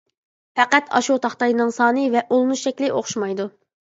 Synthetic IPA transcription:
fæqæt̪ʰɑ̰ʃut̪ʰɑχt̪ɑjnɨŋsɑːnɨvɛʔolˠnuʃɛkʲlɪʔoχʃmɑjd̪u

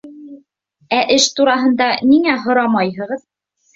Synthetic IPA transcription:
æʔɘʃt̪uɾɑɦɤ̆nd̪ɑniŋæɦŏɾɑmɑjɦɤ̆ʁɤð

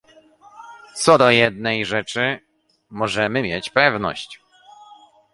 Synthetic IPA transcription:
t̪sɔd̪ɔjɛd̪̚nɛjʐɛt͡ʂɘ | mɔʐɛmɘmʲjɛt͡ɕpɛvnɔ̰ɕt͡ɕ

